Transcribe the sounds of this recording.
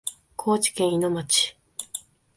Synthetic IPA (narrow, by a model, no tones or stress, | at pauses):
kʰo̞ːt͡ɕi̥kẽɰ̃ino̞mat͡ɕi̥